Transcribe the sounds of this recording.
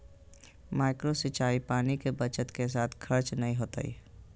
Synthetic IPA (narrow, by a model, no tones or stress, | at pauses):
maːɪkɾosɪt͡ʃaːipaːnikebət͡ʃət̪kes̬aːt̪ʰkʰəɾt͡ʃnəɦĩɦoːt̪a̰ḭː